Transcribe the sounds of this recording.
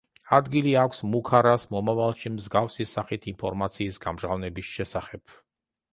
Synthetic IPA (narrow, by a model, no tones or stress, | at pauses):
ad̪ɡiliakʷʰsmukʰaɾasmɔmavalˠʃimzɡafsisaχit̪ʰinpʰɔɾmat̪sʰiːsɡamʒʁavnɛbisʃɛsaχɛb̥̚